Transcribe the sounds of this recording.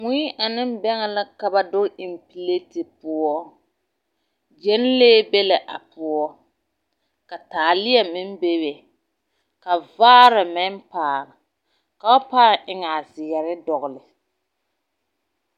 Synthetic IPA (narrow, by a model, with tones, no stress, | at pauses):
ŋi˦ʔa˨nɪ˦m˦bɛ˦ŋɛ˨la˦ka˨ba˦dʊ˦ɪ˨mpi˨le˦tɪ˨pʊ˦ɔ˦ | d͡ʒɛ˦n˦leː˦be˦lɪ˨ʔa˨pʊ˦ɔ˦ | ka˨taː˨lɪ˦ɛ˨mɪ˦m˦be˦be˨ | ka˨vaː˦ɾɪ˨mɪ˦n˦paː˨ɾɪ˨ | ka˦paː˦˨ʔɪ˦ŋa˨zɪ˨jɛ˨ɾɪ˦dɔ˨ɣlɪ˨